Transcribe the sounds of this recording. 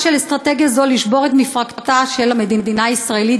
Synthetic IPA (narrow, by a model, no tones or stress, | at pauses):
ʃelest̪ʁate̞ɡjazo̞liʃbo̞ʁet̪mifʁaktaʃe̞lame̞d̪id̪inaːisʁaeli